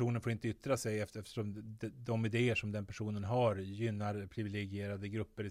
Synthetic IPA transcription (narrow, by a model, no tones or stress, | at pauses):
uːnənfoɾɪnt̪əʏt̪ːɾasɛjɛft̪ɛft̪ə̥ʂɔmd̪ɛd̪ɔmɪd̪eːəʂɔmd̪ɛnpʰæʂuːnənɦaɾjʏnːaɾpʰɾɪvɪlɛɡɪeːɾad̪əɡɾɵpːəɾ